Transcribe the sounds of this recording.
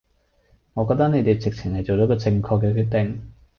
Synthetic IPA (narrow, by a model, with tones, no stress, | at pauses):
ŋɔː˨˧kɔː˧t̪ɐ˥kne˨˧jt̪e˨jt͡sɪ˨k̚t͡sʰɪ˨˩ŋhɐ˨jt͡so˨wt͡sɔː˨˥kɔː˧t͡sɪ˧ŋkʰɔː˧k̬ːɛː˧kʰyː˧t̚t̪ɪ˨ŋ